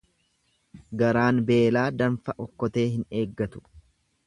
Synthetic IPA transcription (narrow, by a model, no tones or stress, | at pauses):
ɡɐɾaːnbe̞ːlaːd̪ɐnfɐʔɔkːɔt̪e̞ːɦɪne̞ːɡːɐt̪ʊ̥